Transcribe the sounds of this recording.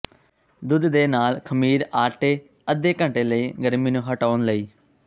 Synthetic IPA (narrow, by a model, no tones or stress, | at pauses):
d̪ʊd̪d̪eːnaːlkʰəmiːɾaːʈeː | əd̪eːkə̃ɳʈeːləiːɡəɾmiːnũːɦəʈaːnləiː